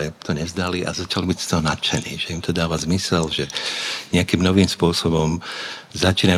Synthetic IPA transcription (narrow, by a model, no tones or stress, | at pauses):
ɛt̪ʰɔɲɛvzd̪aliʔa̰zat͡ʃalibicst̪ɔɦɔnat͡ʃɛnḭːʒ̥ɛimt̪ɔd̪aːʋazmisɛlʒɛɲɛakimnɔʋiːmspʊɔsɔbɔmzat͡ʃiːna